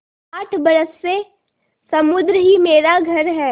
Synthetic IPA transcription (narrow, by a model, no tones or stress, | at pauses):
aːʈʰbɐɾəsːe | sɐmʊd̪ɾəɦimeːɾaɡʱɐɾɦɛː